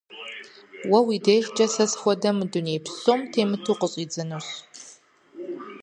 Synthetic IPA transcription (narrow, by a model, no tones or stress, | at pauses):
wɐwiːdeːjʂt͡ʃʼɐsɐsxʷɔdɐmdunejpɕʼoːmtʰeːmɨtʰuːqəɕʼiːd͡zɨnuɕ